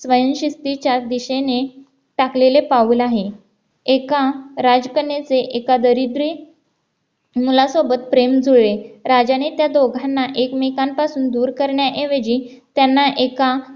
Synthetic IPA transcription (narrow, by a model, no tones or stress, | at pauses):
sʋəjənɕist̪it͡ɕad̪iɕene | ʈaklelepaulaɦe | ekaɾad͡zkəɳːet͡seʔekad̪əɾid̪ɾi | mulasobət̪̚pɾemd͡zʱuɭeɾad͡ʑanet̪jad̪oɡʱanːaʔekmikampasuːnd̪uːɾkəɾɳjaʔeʋed͡ʑiː | t̪janːaʔeka